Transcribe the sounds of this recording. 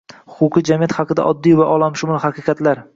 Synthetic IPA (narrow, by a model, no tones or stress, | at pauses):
hʊqʰʊqʰɨd͡ʒamijat̪hɑqɨd̪a̰ʔɒd̪ːijvaʔɒlˠamʃʊmʊlˠhɑqʰɨqʰɑt̪laɾ